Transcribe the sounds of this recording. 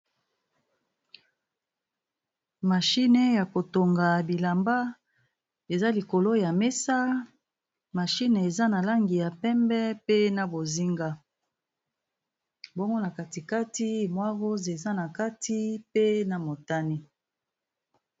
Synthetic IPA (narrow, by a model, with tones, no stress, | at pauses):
ma˨ʃi˦ne˦ja˨ko˨to˨ŋɡa˨bi˨la˨mba˦ | e˨za˦li˨ko˨lo˦ja˨me˦sa˦ | ma˨ʃi˦n˨e˨za˦na˨la˦ŋɡi˨ja˨pɛ˦mbɛ˦pe˦na˨bo˨zi˦ŋɡa˦ | bo˦ŋɡo˦na˨ka˨ti˨ka˦ti˦mwa˦ʁo˦ze˨za˦na˨ka˦ti˦pe˦na˨mo˨ta˦ni˦